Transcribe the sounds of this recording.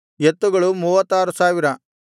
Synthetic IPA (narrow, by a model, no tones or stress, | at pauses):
et̪ːuɡɐɭumuːʋɐt̪ːaːɾusaːʋiɾɐ